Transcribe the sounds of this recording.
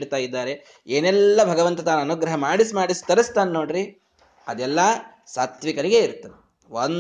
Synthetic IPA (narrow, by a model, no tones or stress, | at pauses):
ɽt̪aːjid̪ːaːɾe̞ | eːnɛlːɐbʱɐɡɐʋɐnt̪ɐt̪aːnɐnuɡɾɐɦɐmaːɽisimaːɽist̪ɐɾɐst̪aːnːo̞ːɽɾi | ɐd̪ɛlːɐ | saːt̪ʋikɐɾiɡe̞iɾt̪ːɐe | on